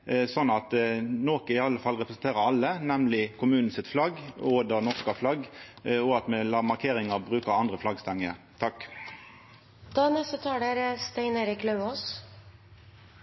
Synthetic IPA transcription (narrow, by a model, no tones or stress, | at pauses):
sɔnːɑt̪noːkəɪɑlːəfɑlʁɛpɾəsn̩t̪eːʁəɾɑlːənɛmlɪkʰʊmʉːnn̩sɪt̪flɑɡoːd̪əʁnɔʁskɑflɑɡɔɑt̪mɛlɑːʁmɑʁkʰeːʁɪŋɑʁbʁʉːkəʁɑnd̪ʁəflɑɡst̪ɛŋːəɾ | t̪ʰɑk | d̪̥ɑːnɛst̪ət̪ʰɑːɖeɾst̪ɛɪneːɾɪklœʉoːs